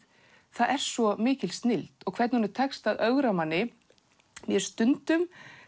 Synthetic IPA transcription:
θaðɛɾ̥svɔmɪːcɪlst̪nɪlt̪ɔkʰvɛɾt̪nhunɪɾ̥t̪ʰɛkst̪aðœɣɾamanːɪ | mjɛɾst̪ʏnt̪ʏm

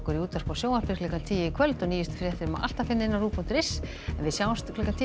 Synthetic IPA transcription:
kʏɾiuːt̪ar̥kawsjoːwḁpɪ̥klɛkant̪ʰiːjɪkʰœlt̪ɔniːjɪst̪ʏ̥fɾjɛθɪɾɪma̰ʔa̰l̥t̪afɪnːɪɪnːaruːpun̥t̪ɾɪs | ɛnvɪsjaːwast̪lɛkant̪ʰi

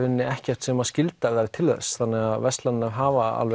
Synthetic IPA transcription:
vʏnːɪɛhcɛr̥t̪sɛmaðscɪlt̪aðaɾɪt̪ʰɪlðɛ̰sθanːɛɣaðvɛst̪land̪navɦaːvaa̰lvɛ

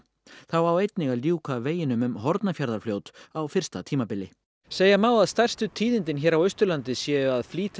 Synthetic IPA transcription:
θawawejt̪nɪɣaljuːkaveːjɪnʏmʏmɦɔɾt̪nafjaɾðaɾ̥fljoːwt̪awfɪr̥st̪a̰t̪ʰiːmapɪlːɪ | seːjamaːwaðst̪ar̥st̪ʏt̪ʰiːðɪnt̪ɪnçɛːɾawœɥst̪ʏɾlant̪ɪsjɛːʏaðfliːt̪

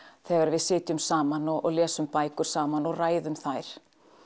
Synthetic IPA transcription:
θɛːɣaɾvɪðsɪːt̪ʏmsaːmanɔɔ̰ɣlɛːsʏmpaːjkʏɾ̥saːmanɔɣraːjðʏmθajɾ̥

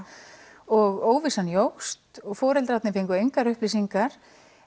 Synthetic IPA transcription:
ɔɣoːwvisanjowxst̪ɔɣfɔːɾɛlt̪ɾawt̪nɪfejŋkʏeɥjŋkaɾʏhplisiŋkaɾ̥

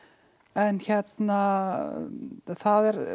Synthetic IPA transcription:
ɛnçɛt̪na | θaðɛɾ

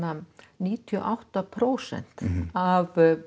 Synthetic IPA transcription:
a | niːt̪ʰiɔ̰ʔawht̪apʰɾoːwsɛ̰n̥t̪av

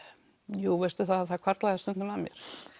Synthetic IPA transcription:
juːvɛst̪ʏθaθakʰvaɾ̥t̪laðst̪ʏnt̪ʏmamjɛ̰ɾ̥

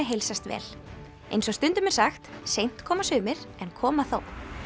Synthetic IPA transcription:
ɪɦejlsast̪vɛ̰ːl | ejnsɔst̪ʏnt̪ʏmɛ̥saxt̪sejn̥t̪kʰɔːmasʏːmɪɾ̥ɛnkʰɔːmaθow

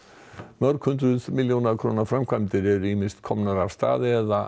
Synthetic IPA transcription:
mœɾkʰʏnt̪ɾʏðmɪljonakʰɾoːnafɾamkʰvajmt̪ɪɾɛɾʏimɪnst̪kʰɔmnaɾav̥st̪a̰ːðɪɛða

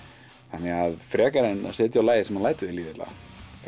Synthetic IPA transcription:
θanɛɣaðfɾɛːkaɾɪna̰seːt̪jawlaːjðɪsɛmalaːjt̪ʏðɪliːðɪt̪la̰st̪

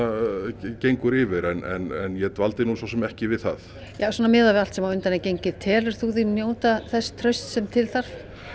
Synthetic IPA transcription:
cejŋkʏɾɪːvɪɾɛnɛ̰nɛnjɛt̪valt̪ɪnusawsɛmɛhcɪvɪðθa̰ð | jaːsɔːnamɪːðavɪal̥t̪sɛmawʏnt̪anɛcejɲcɪð̥t̪ʰɛːlʏɾ̥θuðinjoːwt̪aθɛsːt̪ʰɾœɥst̪sɛmt̪ʰɪlθaɾ̥f

